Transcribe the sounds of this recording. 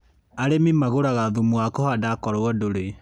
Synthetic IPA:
aɾemimaɣoɾaɣaðumuakɔhadakɔɾoɔdoɾe

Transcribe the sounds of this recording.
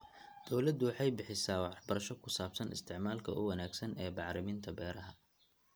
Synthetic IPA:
d̪̥ɔwlɐd̪ʊwɑħɑjbɪħɪsaːwɑħbɐɾɐʃɔkʰʊsaːbsɐnɪ̰st̪ʰɪʕmaːlkʰɐʔʊ̰wɐnaːɡsɐnɛːbɑʕɾɪmɪnt̪ʰɐbɛːɾɐɦɐ

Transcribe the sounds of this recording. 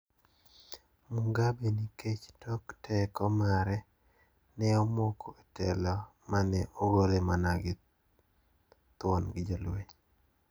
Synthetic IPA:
muŋɡabeniket͡ʃtɔktɛkɔmaɾɛ | nɛɔmɔkʰotɛlɔmanɛʔoɡolemanaɡɪ | t̪wɔnɡɪd͡ʒolweɲ

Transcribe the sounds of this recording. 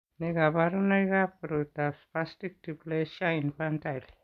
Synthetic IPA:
neɡabaɾunajɡapɾutaspastik̚tiplesainpantajl

